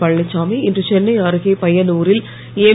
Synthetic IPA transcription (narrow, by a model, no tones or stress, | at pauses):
pɐɭːɪt͡ʃːaːmɐɪɪndrɯt͡ʃɛnːɐɪaːɾɯɣepɐjɐnuːɾɪl | eː